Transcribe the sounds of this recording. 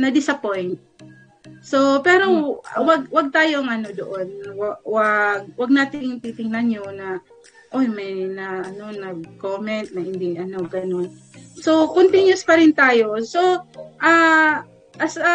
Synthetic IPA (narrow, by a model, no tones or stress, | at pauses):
nɐd̪ɪsɐpojnt̪̚ | so̞pɛːɾo̞ʔwɐɡ̚wɐɡ̚t̪aːjoŋɐno̞d̪oʔo̞nwawaɡ̚wɐɡ̚naːt̪ɪŋt̪it̪ɪŋnɐnɲonɐ | ʔojmɛnɐʔɐno̞nɐɡ̚koːmɛnt̪̚nɐhɪnd̪iʔɐno̞ɡɐno̞n | so̞kont̪ɪnjʊspɐɾɪnt̪aːjo̞so̞ʔa | ʔɐsa